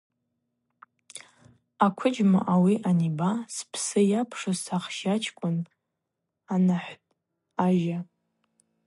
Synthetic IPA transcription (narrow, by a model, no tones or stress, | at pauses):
akʷʰʊd͡ʒma̰ʔawiʔanibaspʰsɨjapʰʂasaχʃat͡ʃʰkʷʼʊn | anaħʷtʼ | aʒa